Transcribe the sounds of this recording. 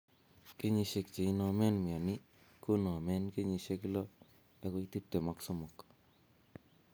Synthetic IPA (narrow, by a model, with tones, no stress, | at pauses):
ke˦ɲi˧ʃe˨k̚t͡ʃe˨i˦nɔ˧mɛ˦nmi˨a˨ni | ko˦nɔ˨a˨mɛ˦nke˦ɲi˨ʃe˧ki˦lɔ˦ | e˦ko˦iti˦p̚te˨maksomo˨k